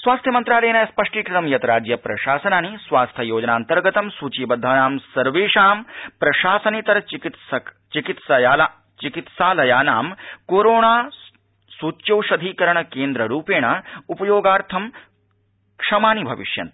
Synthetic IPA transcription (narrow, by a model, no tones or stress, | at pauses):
sʋaːst̪ʰjɐmɐnt̪ɾaːlɐːnajɐspɐʂʈiːkɾɪt̪ɐmjɐt̪ɐɾaːd͡ʒjɐpɾɐʃaːsɐnaːnisʋaːst̪ʰɐjoːd͡ʒɐnaːnt̪ɐɾɡɐt̪ɐmsuːt͡ʃiːbɐd̪ʱːaːnaːmsɐɾʋeːʂaːmpɾɐʃaːsɐnit̪ɐɾɐt͡ʃikit̪sɐ | t͡ʃikit̪sɐjaːla | t͡ʃikit̪saːlɐjaːnaːmkoːɾoːɳaː | suːt͡ʃːjɐwʃɐd̪ʱiːkɐɾɐɳɐkeːnd̪ɾɐɾuːpeːɳaupɐjoːɡaːɾt̪ʰɐm | kʂɐmaːnibʱɐʋḭʃjɐ̰nt̪